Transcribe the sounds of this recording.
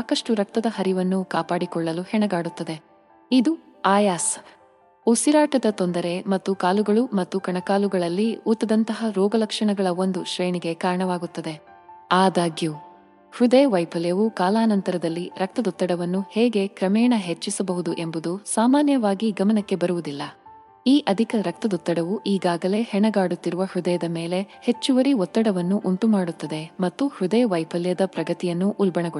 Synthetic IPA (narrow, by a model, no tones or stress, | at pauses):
saːkɐʂʈuɾɐk̚t̪ɐd̪ɐhɐɾiʋɐnːukaːpaːɽikɔɭːɐluhɛɳɐɡaːɽut̪ːɐd̪e̞ | id̪u | aːjaːs | usiɾaːʈɐd̪ɐt̪ɔnd̪ɐɾe̞mɐt̪ːukaːluɡɐɭumɐt̪ːukɐɳɐkaːluɡɐɭɐlːiut̪ːɐd̪ɐnt̪ɐɦɐɾɔːɡɐlɐkʂɐɳɐɡɐɭɐo̞nd̪uʃɾeːɳiɡe̞kaːɾɐɳɐʋaːɡut̪ːɐd̪e̞ | aːd̪aːɡju | hud̪eʋɐjpʰɐljɐʋukaːlaːnɐnt̪ɐɾɐd̪ɐlːiɾɐk̚t̪ɐd̪ut̪ːɐɽɐʋɐnːuheːɡe̞kɾɐmɛːɳɐɦe̞t͡ʃːisɐbɐɦud̪uʔe̞mbud̪usaːmaːnjɐʋaːɡiɡɐmɐnɐkːe̞bɐɾuʋud̪ilːɐ | iːʔɐd̪ʱikɐɾɐk̚t̪ɐd̪ut̪ːɐɽɐʋuʔiːɡaːɡɐle̞ːhɛɳɐɡaːɽut̪ːiɾuʋɐhud̪ɐjɐd̪ɐme̞ːle̞he̞t͡ʃːuʋɐɾiɔt̪ːɐɽɐʋɐnːuʔuɳʈ̪umaːɽut̪ːɐd̪e̞mɐt̪ːuhud̪eʋɐjpʰɐljɐd̪ɐpɾɐɡɐt̪ijɐnːuʔulbɐɳɐɡ